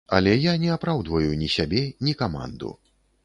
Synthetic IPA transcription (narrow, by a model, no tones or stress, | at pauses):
ɐ̰lʲɛjanʲɛapɾawd̪vɐjunʲisʲabʲɛnʲikama̰nd̪ṵ